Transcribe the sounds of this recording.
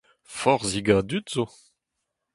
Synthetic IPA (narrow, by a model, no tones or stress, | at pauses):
fɔʁziɡad̪yt̪z̥o